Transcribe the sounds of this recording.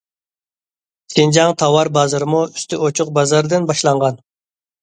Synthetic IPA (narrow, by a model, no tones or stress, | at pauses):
sɪnd͡ʒɑŋt̪ʰɑwɑɾbɑzɨɾmuyst̪ʰɪot͡ʃʰʊq̚bɑzɑɾd̪ɨnbɑʃlˠɑɴʁɑn